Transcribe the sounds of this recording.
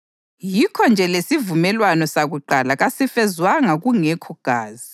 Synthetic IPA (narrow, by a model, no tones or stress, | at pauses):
jikʰɔnd͡ʒʱɛlesivumɛlwanɔsaɣuǃalaɣasifɛzwaŋaɣuŋɛkʰuɡ̥ʱaːzi